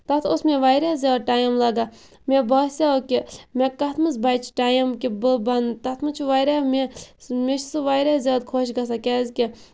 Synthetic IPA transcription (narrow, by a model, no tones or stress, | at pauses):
t̪ɐt̪ʰosmʲeʋajɾʲaːzʲaːd̪̚ʈaːjɐmlɐɡa | mʲebɐsʲakʲimʲekɐt̪ʰmɨs̬bajt͡ʃʰi̥ʈajɐmkibɨbɐnt̪ɐt̪ʰmɨt͡ʃʰuʋajɾamʲemʲet͡ʃʰsɨʋajɾʲazʲaːd̪̚kʰoːʃɡɐs̬akʲɛːzʲkʲi